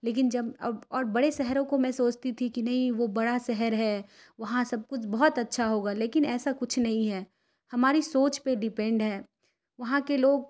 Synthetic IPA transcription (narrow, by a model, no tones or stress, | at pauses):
leːk̬ɪnd͡ʒɐbɐɔːɾbɐɽesɛɦəɾõkomɛ̃soːt͡ʃt̪it̪ʰikinɐɦĩʋobɐɽasɛɦəɾɦɛː | ʋɐɦãsɐb̚kʊt͡ʃʰbɔɦɔt̪ɐtːʃʰaɦoːɡaːleːkɪnɛːsakʊt͡ʃʰnɐɦĩɦɛː | hɐmaːɾisoːt͡ʃpeɖɪpɛ̃ɳɖɦɛː | ʋɐɦãkeloːɡ